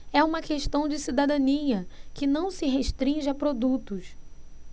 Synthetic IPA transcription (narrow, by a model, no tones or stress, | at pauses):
ɛũmɐkeʃt̪ɐ̃w̃d͡ʒɪsid̪ad̪ɐ̃niɐkɪnɐ̃w̃sɪɦeʃt̪ɾĩʒɪapɾod̪ut̪ʊs